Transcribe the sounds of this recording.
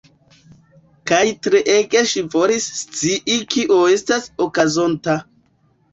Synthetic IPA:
kajtɾeʔeɡe̞ʃivo̞lisːt͡siʔikiʔo̞e̞stasokazo̞nta

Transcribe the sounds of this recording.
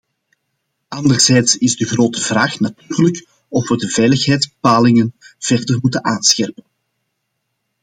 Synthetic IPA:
ʔɑndərzɛjtsɪzdəɣroːtəvraːxnatyːrlək | ɔfʋədəvɛːjləxɦɛjtzbəpaːlɪŋənv̥ɛrdərmutənaːnsxɛrpən

